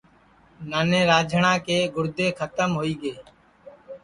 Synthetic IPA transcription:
naːnẽːɾaːd͡ʒʱəɳãːkeːɡʊɾd̪eːkʰət̪əmɦoːiːɡeː

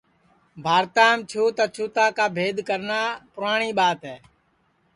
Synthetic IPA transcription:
bʱaːɾt̪aːmt͡ʃʰuːt̪aːt͡ʃʰuːt̪aːkaːbʱeːd̪ʱkəɾnaːpʊɾaːɳiːɓaːt̪ɦɛː

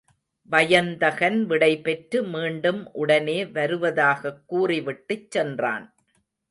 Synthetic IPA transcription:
ʋɐjɐnd̪ɐɣɐnʋɪɽɐɪpɛʈɾɯmiːɳɖɯmʔʊɽɐneːʋɐɾɯʋɐðaːɣɐkːuːriʋɪʈːɯt͡ʃːɛndra̰ːn

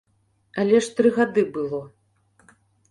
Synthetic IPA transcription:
ɐlʲɛʂt̪ɾɨɣad̪ɨbɨlˠɔ

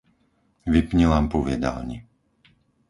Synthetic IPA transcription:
ʋipɲilaːmpɔʋɪɛd̪a̰lɲḭ

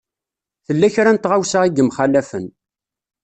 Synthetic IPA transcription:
θəlːæçɾænt̪ʁawsaiɡəmχælæfən

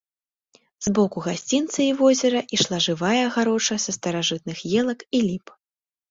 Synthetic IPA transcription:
zbɔkuɣasʲt͡sʲint̪sɐivɔzʲɛɾɐʔiʂlˠaʐɨvajɐɣaɾɔt͡ʂɐsɐst̪ɐɾaʐɨt̪̚nɨxjɛlˠɐkilʲip

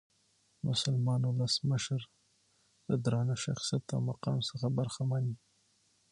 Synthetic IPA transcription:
mʊsalmɑnwʊləsməʃəɾ | d̪əd̪ɾɑnaʃa̰xsijat̪ːa̰wmaqɑmsəxabaɾxamɑni

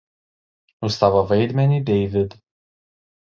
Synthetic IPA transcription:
ust̪avavejd̪mɛnid̪ejvɪd̪

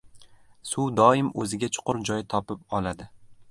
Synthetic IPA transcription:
sud̪ɒɪmɵzɪɡʲat͡ʃʰʊ̥qʊɾd͡ʒɒjɪt̪ʰɒpɪp̚ɒlˠad̪ɪ

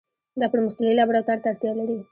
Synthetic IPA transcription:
d̪apɽemʊxt̪alilabɾat̪aɾt̪aːɽt̪jɑlaɾi

